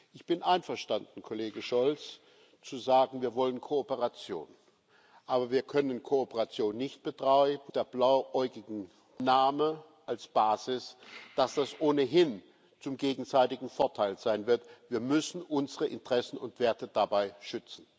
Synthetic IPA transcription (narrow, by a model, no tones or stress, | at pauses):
ʔɪçb̥ɪnʔaɪnfɐʃtandn̩kʰoleːɡəʃɔlt͡s | t͡suzaːɡŋ̩viːɐvɔlənkʰoopəʁat͡sjo̰ːn | ʔaːbɐviːɐkʰœnənkʰoopəʁat͡sjoːnːɪçt̚b̥ətʁ̥aɪb̩d̥eːɐblaʊʔɔʏɡɪɡŋ̩ | naːmə | ʔalsb̥aːzɪsd̥asd̥asʔoːnəɦɪn | t͡sʊmɡeːɡŋ̩zaɪtɪɡŋ̩fɔɐtʰaɪlz̥aɪnvɪɐtv̥iːɐmʏsn̩ʔʊnzəʁəʔɪntʁ̥ɛsn̩ʊntv̥eːɐtəd̥abaɪʃʏt͡sn̩